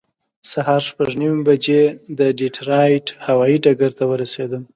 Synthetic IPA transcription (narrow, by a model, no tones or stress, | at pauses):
sahɑɾʃpaʐniwmbad͡ʒed̪əɖiʈɾɑjʈhawɑjiɖaɡaɾt̪awəɾased̪əm